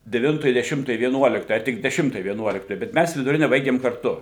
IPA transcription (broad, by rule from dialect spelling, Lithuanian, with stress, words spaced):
dʲɛˈʋʲɪntoːj dʲɛˈʃʲɪmtoːj ʋʲiɛˈnuɔlʲɪktoːj ɐ tʲɪk dʲɛˈʃʲɪmtoːj ʋʲiɛˈnuɔlʲɪktoːj bʲɛt ˈmʲæs ʋʲɪdʊˈrʲɪnʲɛ ˈbɐɪɡʲɪm kɐrˈtʊ